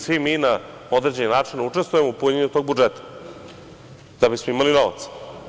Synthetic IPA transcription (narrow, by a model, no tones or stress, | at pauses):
sʋimina | o̞d̪ɾed͡ʑe̞ninaːt͡ʂind̪aut͡ʂe̞st̪vujemoupuɲeɲut̪o̞ːɡ̚bud͡ʒet̪ḁ | d̪̥abismo̞imalino̞ʋa̰t̪s